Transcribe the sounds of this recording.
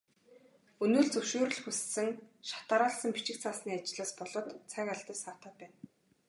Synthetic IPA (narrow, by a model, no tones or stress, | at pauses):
ɵnɵːɮt͡sɵwʃoːɾɵ̆ɮxussɘ̆ŋʃḁt̪aːɾaːɮsə̆ŋpi̥t͡ɕɪ̆kt͡sʰaːsniːat͡ɕɪ̆ɮaːspɔɮɞ̆t̪t͡sʰæŋaɮt̪ə̆saːt̪aːt̪̚pæːn